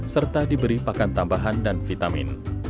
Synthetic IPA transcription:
sərt̪adibəɾipakant̪ambaɦandanfit̪amɪ̰n

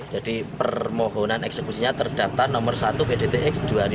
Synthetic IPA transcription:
d̥d͡ʒ̥ad̥ipərrmɔɦɔnanɛksekusiɲat̪ərd̥ap̚t̪arnɔmərsat̪upedet̪eʔɪksd̥uaɾi

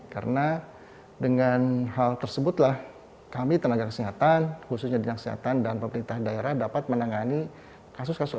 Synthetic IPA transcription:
ka̰ɾəna | dəŋanɦalt̪ərsəbʊt̪lah | kamit̪ənaɡakə̥siɦat̪anhusʊsɲadənaŋkə̥siɦa̰t̪andanpəməɾint̪ahdaeɾahdapat̪̚mənaŋani | kas̬ʊskasʊ

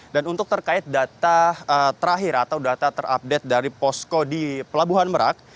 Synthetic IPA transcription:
danunt̪ʊk̚t̪ərkaɪt̪̚dat̪aət̪əɾaɦɪɾat̪awdat̪at̪əɾa̰p̚dɛt̪̚daɾipɔskodipəlabuɦanməɾa̰k̚

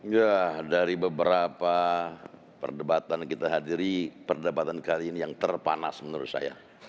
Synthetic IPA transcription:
jadaɾibəbəɾapa | pə̰rdəbat̪ankit̪aɦadiɾipərdapat̪ankaliːnijaŋt̪ərpa̰na̰smənuɾʊt̪̚sa̰ja̰

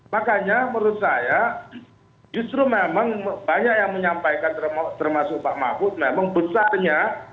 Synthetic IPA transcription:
makaɲaməɾut̪̚saja | d͡ʒust̪ɾumemaŋbaɲak̚jaŋməɲampajkant̪ərmt̪ərmasʊk̚paʔma̰fʊt̪̚memaŋbəsarɲa

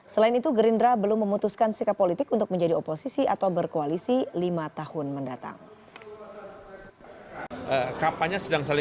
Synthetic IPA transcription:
səlaɪnit̪uɡəɾindɾabəlʊmːəmut̪uskansikapːolit̪ɪkunt̪ʊk̚məɲd͡ʒadioposisiʔat̪awbərkoalisilimat̪ahʊnməndat̪a̰ŋ | ʔəkapaɲasədaŋsalɪ

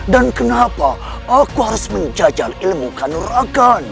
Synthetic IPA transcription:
dankənapaakuhaɾʊsməɲd͡ʒad͡ʒalilmukanuɾakan

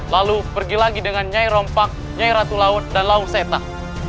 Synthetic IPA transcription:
lalupərɡilaɡidəŋanɲajɾɔmpak̚ | ɲaiɾat̪ulaʊt̪̚danlaʊnset̪a

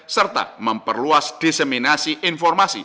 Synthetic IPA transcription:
sərt̪a̰məmpərluasd̪̥iseminasiʔɪnfɔrmasḭ

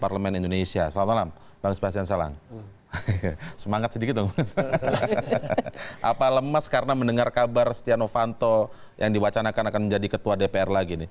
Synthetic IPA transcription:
parləmɛnindonesiasəlamalam | b̥aŋəsbaɦas̬iansala̰ŋ | səmaŋat̪̚sədikɪt̪̚baŋs | ʔapaləmaskaɾənaməndəŋarkabarst̪ianofant̪o | jʔaŋdiwat͡ʃanakanakanməɲd͡ʒadikət̪uadepeɛrlaɡinɪ

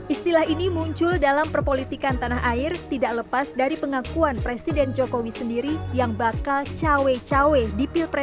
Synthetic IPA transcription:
ʔist̪ilaɦinimuɲt͡ʃʊldalampərpolit̪ikant̪anaɦaɪrt̪idaʔləpasdaɾipəŋakuanpɾesidɛnd͡ʒokowisəndiɾijaŋbakalt͡ʃawet͡ʃawedipilpɾɛ

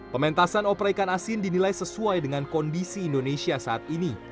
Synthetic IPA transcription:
pəmɛnt̪asanɔpɾaikanasɪndinilajsəsuajdəŋankɔndisiːndonesiasaat̪̚ini

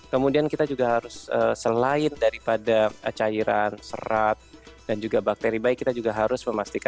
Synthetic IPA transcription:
kəmudiankit̪ad͡ʒuɡaɦaɾʊsəsəlaɪndaɾipadaət͡ʃaiɾansə̰ɾat̪̚dand͡ʒuɡabak̚t̪eɾibaɪkːit̪ad͡ʒuɡaɦaɾʊsməmast̪ikan

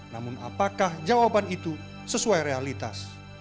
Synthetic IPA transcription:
namʊna̰pakahd͡ʒawabanit̪u | səsuajɾealit̪a̰s

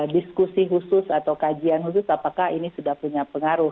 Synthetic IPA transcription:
diskusiɦusʊsat̪awkad͡ʒianɦus̬ʊsapakahinisudahpuɲapəŋaɾʊh

